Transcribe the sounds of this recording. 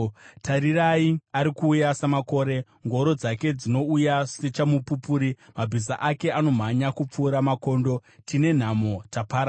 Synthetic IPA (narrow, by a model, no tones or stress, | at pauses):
tʰaɾiraiaɾikuːjasamako̞ːɾe̞ | ŋɡo̞ɾo̞d͡zake̞d͡zino̞ujaset͡ʃamupupuːɾimabʱis̬aʔake̞ano̞m̤aɲakup͡fuːɾamako̞ːndo̞tine̞n̤amo̞tapaːɾa